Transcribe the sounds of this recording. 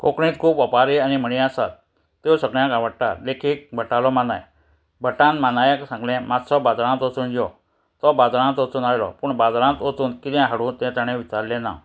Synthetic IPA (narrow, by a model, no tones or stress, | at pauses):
kokɽĩt̪kʰuːpɔpaɾeanim̤əɽ̃ĩasa̰t̪ | t̪ːewsəɡɭjãkaʋəɽʈa̰t̪lekʰiːk̚bʱəʈalɔmana̰j | bʱəʈãnmanajksãŋɡlɛ̃mat̪sɔbad͡zɾãnt̪ot͡s̪uːnd͡ʑjɔ | t̪ɔbad͡zɾãnt̪ot͡s̪uːnajlɔ̰puːɳbad͡zɾãnt̪ot͡s̪uːnkit̪ɛ̃ɦaɽuːnt̪ɛ̃t̪ãɽ̃ɛ̃ʋit͡ɕaɾlɛ̃na̰